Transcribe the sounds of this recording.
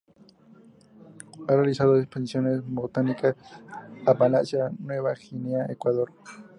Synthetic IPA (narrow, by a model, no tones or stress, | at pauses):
arealisaðoekspensjo̞nezbot̪anikasapalasanwe̞βaxineaekwaðoɾ